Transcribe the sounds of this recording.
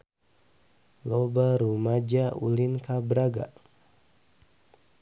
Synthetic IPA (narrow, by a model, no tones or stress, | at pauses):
lobaɾumad͡ʒaʔulinkabəɾaɡa̰